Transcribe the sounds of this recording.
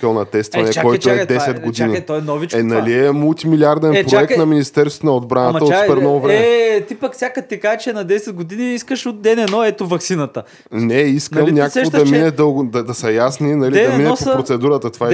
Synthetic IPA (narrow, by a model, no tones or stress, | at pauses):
kəlˠnɐt̪ɛst̪vɐnɛkɔjt̪oɛd̪ɛsɛɡod̪init̪ɔɛnɔvit͡ʃɛnɐliɛmulˠt̪imilʲiaɾd̪ɛnpɾoɛkt̪nɐminist̪ɛɾst̪onɐod̪bɾanəəopɛɾnɔvvɾɛɛt̪ipɐkfsʲjakət̪ikat͡ʃɛnɐd̪ɛsɛd̪̚ɡod̪iniiskəʃot̪̚ːɛnɛnɔɛt̪ovɐksinɐt̪ə | nɛisknk̪əmnʲak̪ɡod̪ɐmminɛd̪əɡd̪ɐd̪ɐsɐjasninɐlid̪ɐminɛpopɾot̪sɛd̪uɾət̪ət̪ova